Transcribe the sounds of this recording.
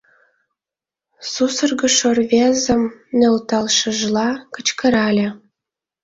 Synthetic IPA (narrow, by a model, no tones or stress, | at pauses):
susərɣə̆ʃorβezə̆mnølt̪ɑlʃə̆ʒlɑkə̆t͡ɕkə̆ɾɑlʲĕ